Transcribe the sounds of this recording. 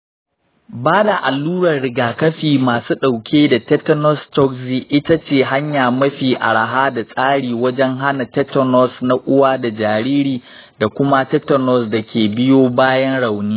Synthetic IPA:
baː˦da˨ʔa˨lːuː˦ɽɐ˨rɽɪ˨ɡaː˨kɐ˦ɸiː˨maː˨suː˦ɗa˨wkʲʰeː˦da˨tɛ˦tɔ˦nɔ˦stɔ˦kziː˨ʔɪ˦ta˦t͡ʃeː˦˨ɦa˦ɲjaː˨mɐ˦ɸiː˨ʔa̰˨ɽa˨ɦaː˦da˨sʼaː˦ɽiː˨wɐ˦d͡ʒɛ˦ŋɦa˦na˨tɛ˦tɔ˦nɔ˦sna˦ʔʷʊ˦waː˦da˨d͡ʒaː˨ɾiː˦ɾiː˨ | da˨kʷʊ˦ma˦tɛ˦tɐ˨nɔ˨sda˨kʲeː˨bɪ˦joː˦baː˦jɐ˦nɽa˨wniː˦

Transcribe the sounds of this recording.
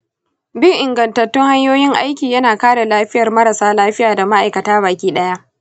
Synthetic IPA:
bɪ˦ŋʔɪ˨ŋɡɐ˨ntɐ˨tːʊ˦ŋha˦ɲjoː˦jɪ˦ŋʔa˦jkʲiː˨jɐ˦naː˨kaː˦ɽa˨laː˦ɸɪ˦jɐ˨rmɐ˦ɾɐ˨saː˦laː˦ɸɪ˦jaː˨da˨ma˦ʔa˨jkɐ˨taː˦βaː˨kʲiː˦ɗɐ˦ja˦ʔ

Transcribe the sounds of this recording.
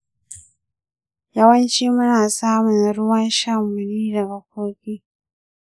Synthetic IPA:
jɐ˦wɐ˦nt͡ʃiː˦mʊ˦naː˨saː˦mʊ˨nɾʊ˦wɐ˦nʃa˦mːʊ˨niː˦dɐ˨ɡa˨k̚ʷoː˦kʲiː˦

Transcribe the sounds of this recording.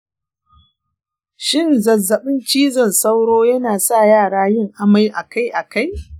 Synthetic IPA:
ʃɪ˦˨nzɐ˨zːɐ˨ɓɪ˦nt͡ʃiː˦zɐ˨nsa˦wɽoː˦jɐ˦naː˨sa˦˨jaː˦˨ɽaː˦jɪ˦˨ŋʔa˨ma˦jʔa˨ka˦jʔa˨ka˦j

